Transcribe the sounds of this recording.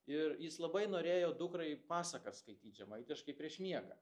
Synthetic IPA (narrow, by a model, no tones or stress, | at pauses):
ɪɾjɪslˠɐbɐɪnoːɾʲeːjoːd̪ʊkɾɐɪpɑːsɐkɐsskɐɪt̪ʲiːt̪ʒʲɛmɐɪt̪ʲɪʃkɐɪpʲɾʲiɛʃmʲiɛɡɐ̰